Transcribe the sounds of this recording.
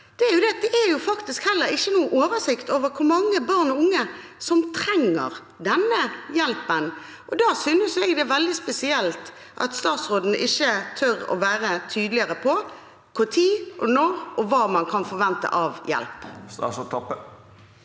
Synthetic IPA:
d̪̥ɛæɾjʊd̪ɛd̪ɛʔæɾjʊfɑkt̪ɪskhɛlːəɾɪçːənuːəʔoːʋəsɪkt̪oːʋəɾkʰʊɾmɑŋːəbɑʁnɔʊŋːəsɔmt̪ʰɾɛŋːə̰ʁ | d̪ɛnːəjɛlpən | ʔɔd̪ɑːsʏnəsɛɡd̪ɛʋɛld̪ɪspɛsɪɛlt̪ | ʔɑ̰t̪st̪ɑːt̪sʁoːd̪n̩ʔɪçːət̪ʰœɾɔ̰ʋæːɾət̪ʰyːd̪lɪəɾəpʰɔ | kʰʊt̪ʰiːʔɔnoːʔɔʋɑːmɑnkʰɑnfɔɾʋɛnt̪ə̰ʔɑʋjɛ̰lp̪ːt̪ʰɔpːə

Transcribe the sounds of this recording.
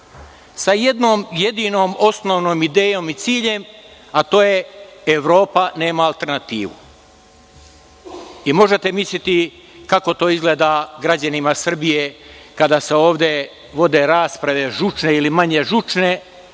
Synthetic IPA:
saje̞d̪no̞ːmje̞d̪iːno̞ːmo̞snoʋnoːmid̪e̞ːjo̞mit̪siːʎe̞m | at̪o̞ːje̞ːʋɾo̞ːpane̞ːmaːlt̪e̞ɾnat̪iːʋṵ | imo̞ʒet̪e̞mislʲit̪i | kako̞t̪o̞ːizɡleːd̪aɡɾad͡ʑanimasr̩bije̞kad̪aseo̞ːʋd̪je̞ | ʋo̞d̪e̞ɾaːspɾaʋe̞ʒut͡ʃneilimaɲe̞ʒut͡ʃne̞

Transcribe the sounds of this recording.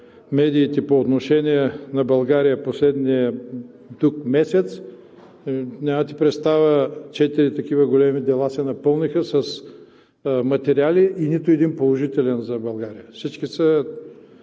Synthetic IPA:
mɛd̪iːt̪ɛpoːt̪noʃɛniɛnɐbɐlˠɡaɾijəposlɛd̪niɛ | t̪ukmɛsɛt̪s | nʲamɐt̪i̥pɾɛt̪st̪avət͡ʃɛt̪iɾit̪ɐk̟ivəɡolɛmid̪ɛlˠasɛnɐpɤlˠnixəsɐs | mɐt̪ɛɾialiʔːnit̪ʊɛd̪inpolˠoʒit̪ɛlɛnzɐbɐlˠɡaɾijəfsit͡ʃkisə

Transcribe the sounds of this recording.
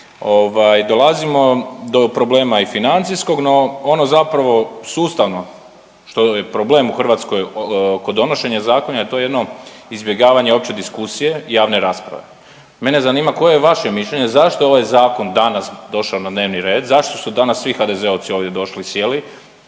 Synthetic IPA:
o̞ʋajd̪o̞lazimo̞d̪opɾo̞ble̞ːmaifinant̪sisko̞ɡno̞onozapɾaʋo̞suːst̪aʋno̞ | ʃt̪ojepɾoble̞ːmuxr̩ʋat̪sko̞jkod̪o̞no̞ʃe̞ɲezaːkonajet̪oje̞d̪no̞izbʲjeɡaːʋaɲeo̞pt͡ɕe̞d̪iskusije̞ijaːʋne̞ɾaːspɾa̰ʋe̞̰ | me̞ne̞zaniːmako̞jejeʋaʃe̞miʃʎʲeɲezaʃt̪o̞oʋajzaːko̞nd̪anasd̪o̞ʃaonad̪neːʋniɾe̞ːd̪zaʃt̪o̞sud̪anasːʋixad̪ezeoʋt̪sio̞ːʋd̪ʲje̞d̪o̞ʃlisje̞li

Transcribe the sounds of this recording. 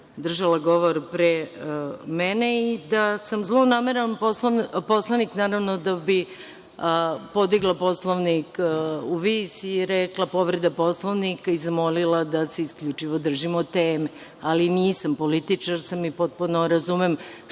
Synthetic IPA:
d̪r̩ʒalaɡo̞ʋoɾpɾe | mɛneid̪asamzlˠonaːmeɾanpospo̞slˠaniknaːɾaʋnod̪abi | po̞d̪iɡlˠapo̞slˠoʋnikuʋisiːɾɛklapo̞ʋɾed̪apo̞slˠoʋnikaizamo̞lilˠad̪aseiskʎut͡ʂiʋod̪r̩ʒimot̪eːme | aliniːsampolit̪it͡ʂaɾsamipo̞t̪̚punoɾazumem

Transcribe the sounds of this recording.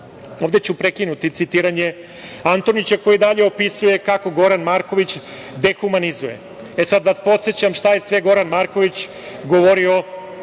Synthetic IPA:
o̞ːvd̪e̞t͡ɕupɾekinut̪it̪sit̪iɾaɲe | ant̪o̞nit͡ɕako̞jid̪aʎeo̞pisuje̞kako̞ɡo̞ɾanmaɾko̞ʋit͡ɕ | d̪e̞xumanizuje̞̰ | esad̪d̪at̪po̞t̪set͡ɕamʃt̪aje̞sʋe̞ɡo̞ɾanmaɾko̞ʋit͡ɕ | ɡoʋo̞ɾio̞

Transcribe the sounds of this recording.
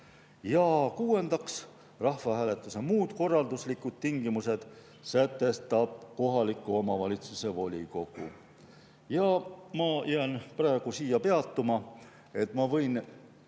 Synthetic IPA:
jɑkuːe̞nd̪ɑks | rɑhfɑɦæːle̞t̪ːˑuse̞muːd̪̥ko̞rːɑld̪uslikːˑud̪̥̚t̪iŋɡimuse̞d̪̥ | sæt̪ːˑe̞st̪ɑb̥̚ko̞ɦɑlikːˑuo̞mɑvɑlʲit̪suse̞vo̞lʲiko̞ɡ̥ṵ | jɑmɑjæːnprɑeɡ̥usiːjɑpe̞ɑt̪ːˑumɑ | e̞t̪ˑmɑvɤ̞jn

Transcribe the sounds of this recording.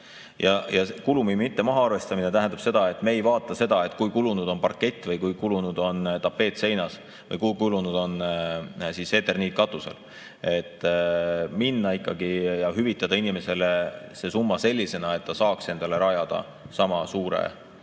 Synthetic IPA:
jɑjɑkulumimit̪ːe̞mɑɦɑɑrve̞st̪ɑminet̪æɦæ̃nd̪ɑb̥se̞d̪̥ɑe̞t̪ːme̞ːjvɑːt̪ːˑɑse̞d̪̥ɑe̞t̪ːˑkujkulunud̪̥o̞npɑrkːˑe̞t̪ʲːˑvɤjkujkulunud̪̥o̞nt̪ɑpːe̞ːt̪ˑse̞jnɑs | vɤ̰jkujkulunud̪̥o̞n | sise̞t̪ːˑe̞rniːt̪̚kɑt̪ːˑusḛl | e̞t̪ːminːɑikːˑɑɡijɑɦyvit̪ːˑɑd̪̥ɑinime̞se̞lese̞sumːɑse̞lʲːise̞nɑe̞t̪ːɑsɑːkse̞nd̪̥ɑle̞ɾɑjɑd̪̥ɑ̰ | sɑmɑsuːɾḛ

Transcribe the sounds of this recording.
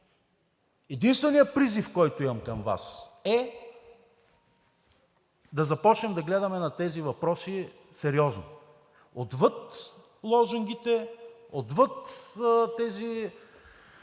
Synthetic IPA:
ɛd̪inst̪vɛnijəpɾizifkɔjt̪ʊimɐmkɐmva̰sɛ | d̪ɐzɐpɔt͡ʃnɛmd̪ɐɡlɛd̪ɐmɛnɐt̪ɛzivɐpɾɔsi | sɛɾiɔzno̰ | od̪vɤt̪ | lˠɔzuŋɡʲit̪ɛod̪vɤt̪t̪ɛzi

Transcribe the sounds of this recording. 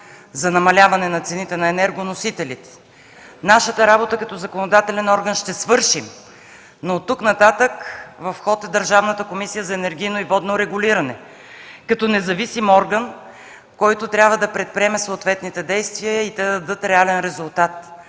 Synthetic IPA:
zɐnɐmɐlʲavɐnɛnɐt̪sɛnit̪ɛnɐɛnɛɾɡonosit̪ɛlit̪ɛ̥ | naʃət̪əɾabot̪əkɐt̪ɔzɐkonod̪at̪ɛlɛnɔɾɡənʃt̪ɛsvɤɾʃim | not̪ːuknɐt̪at̪əkvɐfxɔt̪ɛd̪əɾʒavnət̪əkomisijəzɐɛnɛɾɡʲijnoivɔd̪noɾɛɡʊliɾɐnɛ̰ | kɐt̪ɔnɛzɐvisimɔɾɡən | kɔjt̪ot̪ɾʲjabvəd̪ɐpɾɛt̪̚pɾʲiɛmɛsoːt̪vɛt̪nit̪ɛd̪ɛjst̪viəəit̪ɛd̪d̪ɤt̪ɾɛalɛnɾɛzʊlˠt̪at̪

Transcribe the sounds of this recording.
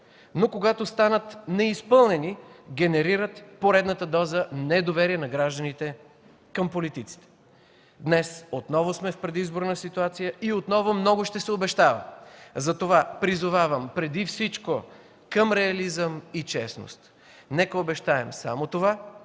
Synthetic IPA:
nokoɡat̪ost̪anət̪nɛispɤlˠnɛniɡʲɛnɛɾiɾət̪poɾɛd̪nət̪əd̪ɔzənɛd̪ovɛɾiɛnɐɡɾaʒd̪ənit̪ɛ | kəmpolit̪it̪si̥t̪ɛ̥ | d̪nɛsot̪nɔvosmɛfpɾɛd̪izboɾnəsit̪uat̪sijəʔiot̪nɔvomnɔɡʊʃt̪ɛsɛobɛʃt̪avɐ̰zɐt̪ovapɾizʊvavəmpɾɛd̪ifsit͡ʃko | kəmɾɛɐlizəmit͡ʃɛ̰sno̰st̪ | nɛkəobɛʃt̪aɛmsa̰mot̪ova

